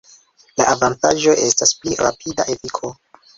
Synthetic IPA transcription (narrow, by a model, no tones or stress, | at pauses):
laʔavantaʒo̞ʔe̞staspliɾa̰pʰida̰ʔetikʰo̞